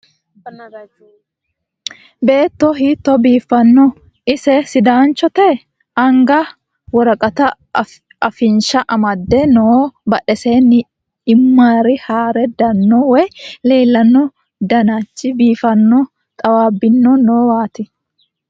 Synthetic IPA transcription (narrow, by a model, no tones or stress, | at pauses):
be̞ːt̪ːɔɦiːt̪ːɔbiːfːɐnːɔ | ɪsɛsɪd̪aːnt͡ʃːɔt̪ɛ | ɐŋɡɐ | wɔɾɐkʼɐt̪ɐ | ɐfɪnʃɐʔɐmɐd̪ːɛnoːbɐᶑɛseːnːɪ | ɪmːaːɾɪhaːɾɛd̪ɐnːɔwɛjle̞ːlːɐnːɔ | d̪ɐnat͡ʃːɪbiːfɐnːɔ | t̪ʼɐwaːbːɪnːɔnoːwaːt̪ɪ